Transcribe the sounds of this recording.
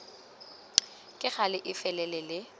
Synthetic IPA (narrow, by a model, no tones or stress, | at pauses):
kʼɪχalɪʔɪfɛlɛlɛlɪ